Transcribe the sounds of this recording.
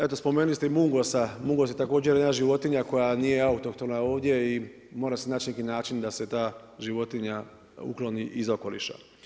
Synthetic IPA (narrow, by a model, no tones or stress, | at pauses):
et̪o̞spo̞menulist̪eimuŋɡosamuŋɡosjet̪ako̞ːd͡ʒeɾjenaʒiʋo̞t̪iɲako̞janijeaut̪okt̪o̞mnao̞ːʋd̪je̞i | mo̞ːɾasenaːt͡ʃnekinaːt͡ʃind̪ase̞t̪aː | ʒiʋo̞t̪iɲa | ṵklo̞niʔizoko̞lḭʃa̰